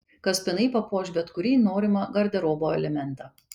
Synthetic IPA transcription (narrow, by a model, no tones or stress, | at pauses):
kɐspʲɪnɐɪpɐpoːʃʲbʲɛt̪kʊɾʲiːnoːɾʲɪmɐɡɐɾʲd̪ʲɛɾoːboːɛlʲɛmʲɛnˑt̪ɑː